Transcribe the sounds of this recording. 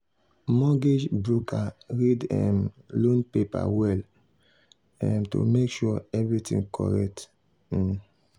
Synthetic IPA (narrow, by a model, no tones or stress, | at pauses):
mɔɡed͡ʒbɹukʰaɹidɛ̃m | lõnpepa̰wɛl | ɛ̃mtṵmekʃuɛvɹitḭ̃ŋkʰɔ̰ɹɛ̰k̚t̩